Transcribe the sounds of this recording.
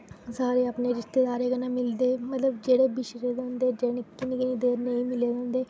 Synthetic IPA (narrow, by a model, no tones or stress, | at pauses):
saːɾeːəpneːɾɪʃt̪eːd̪aːɾeːkənãːmɪld̪eːmət̪ləbd͡ʒeːɽeːbɪʃɾeːd̪ãːnd̪eːd͡ʒɛːnɪkːɪnekɪniːd̪eːɾnəĩːmɪleːd̪ãːnd̪eː